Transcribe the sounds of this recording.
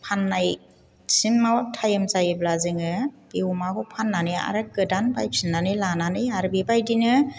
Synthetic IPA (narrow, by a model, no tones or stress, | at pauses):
pʰanːaj | sinmawtʰajɯmzajɯblazɯŋɯb̥iumakʰɔpʰanːanɯa̰ɾɯkɯdanbajsʰinːanɯlananɯaɾbibajdinɯ